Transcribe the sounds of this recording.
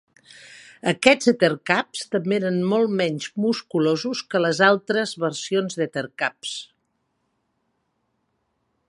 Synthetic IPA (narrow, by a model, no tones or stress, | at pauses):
əkɛd͡zət̪ərkapst̪əmbeeɾənmɔlˠmɛɲzmuskulozuskələzalˠt̪ɾəzβəɾsionzðet̪ərkaps